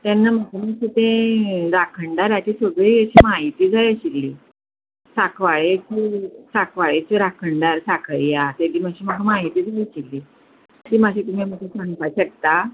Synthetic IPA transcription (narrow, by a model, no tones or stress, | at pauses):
t̪ɛnːaməɡʱaməsit̪ẽɾakʰəɳɖaɾat͡ɕisʋəɡɭiəɕiːmaɦit̪iːd͡zajəɕilːiː | sakʰʋaɭekisakʰʋaɭet͡ɕiɾakʰəɳɖaɾsakʰəɭjat̪ed̪iːməɕiːməɡʱamaɦit̪iːd͡zaliɕilːiː | t̪iːmaɕiːt̪umemət̪ʰesaŋpajɕəɡ̚t̪a